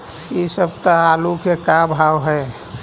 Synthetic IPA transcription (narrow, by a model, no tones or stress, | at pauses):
isəb̚t̪əalukekabʱawɦəe